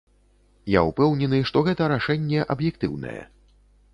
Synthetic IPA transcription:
jaupɛwnʲɛnɨʂt̪ɔɣɛt̪ɐɾaʂɛnʲːɛʔɐbjɛk̚t̪ɨwnɐ̰jɛ̰

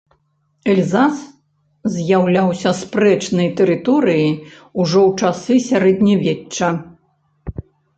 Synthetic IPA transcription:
ɛlʲzas | zʲjawlʲawsʲɐspɾɛt͡ʂnɐjt̪ɛɾɨt̪ɔɾɨji | uʐɔwt͡ʂasɨsʲaɾɛd̪nʲɐvʲɛt͡ʂːɐ

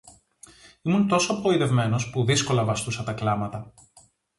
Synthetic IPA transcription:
imunt̪o̞soɐpo̞iðe̞vme̞no̞spuðisko̞lɐvɐst̪usɐt̪ɐklɐmɐt̪ɐ

